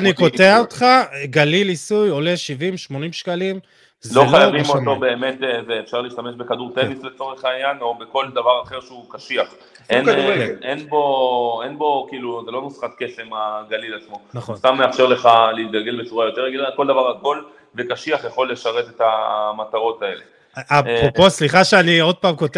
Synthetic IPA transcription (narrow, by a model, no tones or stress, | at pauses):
aniko̞teaot̪χaɡalilisujo̞leʃivimʃmo̞nimʃkalim | zloχlajavimot̪o̞be̞ːme̞t̪veːfʃaʁleiʃt̪ame̞ʃbe̞kaduʁt̪enisle̞t͡so̞ʁeχaːjano̞beko̞ld̪avaʁaχe̞ʁʃeukaʃiaχ | ʔenenbo̞enbo̞kiːluzelo̞nusχat̪ke̞se̞maɡalilat͡smo̞naχost̪amːeafʃeʁle̞χaleit̪̚ɡalɡe̞lbet͡suʁajo̞t̪e̞ʁaɡilako̞ld̪avaʁaɡo̞l | ve̞kaʃiaχjaχo̞lːeʃaʁet̪e̞tamat̪aʁo̞t̪ae̞le̞ | apoosliχaʃeanio̞d̪̚paːmko̞t̪e